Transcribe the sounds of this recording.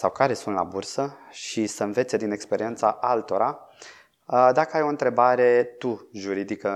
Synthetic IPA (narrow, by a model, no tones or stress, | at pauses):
sawkaɾe̞sunt̪la̰bursəʃisəɨnve̞t̪se̞d̪ine̞kspe̞ɾie̞nt̪saʔalt̪o̞ɾa | d̪akəajo̞ɨnt̪ɾe̞baɾe̞t̪uʒuɾid̪ikə